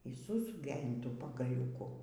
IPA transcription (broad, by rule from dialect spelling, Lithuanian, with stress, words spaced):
iː suːˈsʊkʲeː ɪn ˈtuː pɐɡɐlʲuːˈkʊ